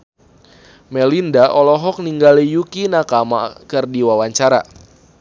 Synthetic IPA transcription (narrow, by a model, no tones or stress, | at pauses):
mɛlindaʔɔlɔɦɔk̚niŋɡalijukinakama̰kərdiwawaɲt͡ʃaɾa̰